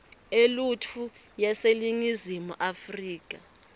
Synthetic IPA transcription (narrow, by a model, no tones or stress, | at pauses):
elutʰu | jɛseliŋizimuʔafriːk̬ʼa